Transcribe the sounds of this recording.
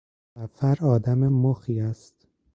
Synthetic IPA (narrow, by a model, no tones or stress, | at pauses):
æfæɾɒːd̪æmemoxiːæst̪